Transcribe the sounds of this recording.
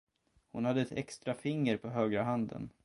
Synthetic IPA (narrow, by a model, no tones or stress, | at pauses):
hʊnhad̪ːəɛt̪ʰɛkst̪ɾafɪŋːəɾpʰɔɦøːɡɾaɦand̪ə̰n